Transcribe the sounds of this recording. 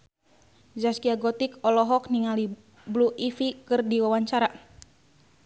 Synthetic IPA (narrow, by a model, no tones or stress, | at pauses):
zaskiaɡɔt̪ikɔlɔɦɔk̚niŋali | bluifikɨrdiwawaɲt͡ʃaɾa